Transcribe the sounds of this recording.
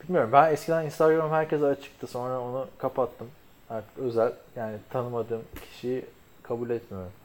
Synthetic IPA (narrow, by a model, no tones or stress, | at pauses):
bilʲmijo̞ɾumbænɛscʰʲid̪æninst̪ʰaɡɾammhæɾcʰɛzat͡ʃʰɯ̥k̚t̪ʰɯso̞nɾao̞nukʰapat̪ʰːɯm | haɾt̪ʰɯ̥kø̞zælʲjaːnit̪ʰanɯmad̪ɯːmcʰi̥ʃijɪ | kʰabuːlʲɛt̪mijo̞ɾum